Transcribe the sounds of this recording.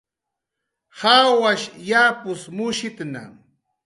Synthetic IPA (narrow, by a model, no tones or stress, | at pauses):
hawaʃjapʊsmʊʃɪt̪na̰